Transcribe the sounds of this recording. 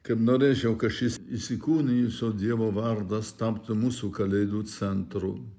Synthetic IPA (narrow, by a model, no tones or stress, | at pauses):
kɐpnoːɾʲeːt͡ʃʲɛwkɐʃɪsisʲɪkuːnʲɪjusoːd̪ʲiɛʋoʋɐɾd̪ɐst̪ɐpt̪ʊmusukɐlʲɛɪd̪uːsʲɛnt̪ɾʊ̰